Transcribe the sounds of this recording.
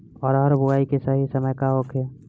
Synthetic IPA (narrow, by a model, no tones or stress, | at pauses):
ɔːɾɦəɾbʱuaikesaɦisəməjkaɦokʰe